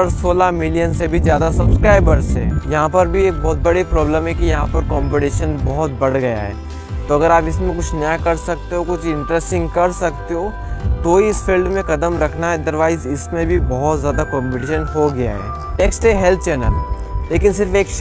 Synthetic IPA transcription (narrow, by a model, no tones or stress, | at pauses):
əɾsoːlamɪlijənsebʱizjaːd̪asɐbskɾaːɪbəɾsɦɛ̰̃ːjɐɦãpɐɾbʱieːk̚bɔːt̪̚bɐɽipɾɔːbləmɦɛkijɐɦãpɐɾkɔːmpɪʈiːʃənbɐɦʊt̪̚bɐɽɡɐja̰ɦɛ̰ː | t̪oɐɡəɾaːpɪsmẽkʊt͡ʃʰnjakɐɾsɐk̚t̪eɦokʊt͡ʃʰɪ̃ɳʈɾɛsʈɪ̃ŋɡkɐɾsɐkt̪eɦoː | t̪oiɪsfiːlɖmẽkɐd̪əmɾɐkʰnaɦɛɐd̪əɾʋaːɪzɪsmẽbʱibɔɦʊt̪zjaːd̪akɔ̃ːmpɪʈiːʃənɦoɡɐja̰ɦɛ̰ː | eːksʈeɦɛlt̪ʰt͡ʃɛːnə̰l | leːkɪnsɪɾfeːkʃ